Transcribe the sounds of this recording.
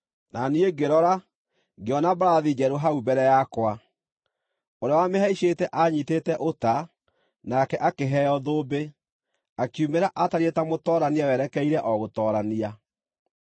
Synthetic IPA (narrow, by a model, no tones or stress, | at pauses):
nanieɡeɾɔɾa | ɡeɔnabaɾaðid͡ʒɛɾoɦaubɛɾɛjakwa | oɾeawameɦaiɕetɛʔaɲitetɛʔota | nakɛʔakeɦɛjɔðoːbe | akjumeɾaʔataɾetamotɔːɾaniawɛɾɛkɛiɾɛʔɔɣotɔɾania